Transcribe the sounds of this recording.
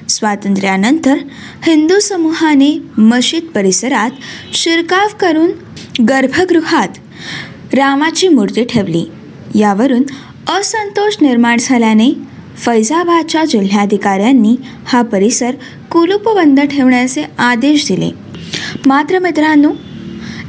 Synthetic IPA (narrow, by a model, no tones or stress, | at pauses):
sʋat̪ənt̪ɾjanənt̪əɾ | hind̪usəmuɦaneməɕit̪̚pəɾisəɾat̪ɕiɾkaʋkəɾuːn | ɡəɾbʱəɡɾuɦat̪ | ɾaʋat͡ɕiːmuɾt̪iːʈʰeʋlḭː | jaʋəɾuːn | əsənt̪oɕniɾmaɳd͡zʰʱaljane | fəjd͡zabad̪̚t͡ɕad͡ʑil̤jaəd̪ʱikaɾjanːiː | hapəɾisəɾ | kulupəbənd̪əʈʰeʋɳjat͡sead̪eɕd̪ilḛ | mat̪ɾəmet̪ɾanːuː